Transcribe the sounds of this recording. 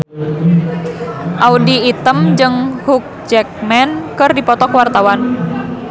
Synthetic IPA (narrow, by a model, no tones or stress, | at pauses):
ʔaudiːt̪əmd͡ʒɨŋhuk̚d͡ʒɛk̚mɛnkɨrdipɔt̪ɔkwart̪awan